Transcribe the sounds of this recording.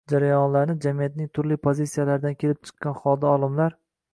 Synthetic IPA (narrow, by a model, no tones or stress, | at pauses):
d͡ʒaɾajɒnlaɾnɪd͡ʒamijat̪nɪŋt̪ʰʊɾlipʰozisijalaɾd̪ankʲʰe̞lɪp̚t͡ʃʰɨ̥qːɑnχɒlˠd̪aɒlˠɪmlaɾ